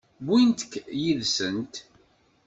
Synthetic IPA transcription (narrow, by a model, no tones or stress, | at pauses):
bint̪ə̥kːjiðsənt̪